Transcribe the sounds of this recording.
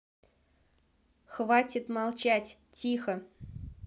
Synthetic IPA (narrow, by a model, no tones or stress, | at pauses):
xvatʲɪt̪mɑlˠt͡ɕatʲtʲixə